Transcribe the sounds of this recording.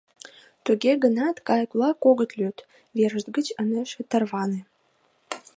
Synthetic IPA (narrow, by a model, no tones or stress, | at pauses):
t̪øɡʲeɡənɑt̪kɑjkulˠɑkoɡə̆t̪lʲøt̪ | veɾəʒd̪ɡət͡ɕəneʃet̪ərvɑne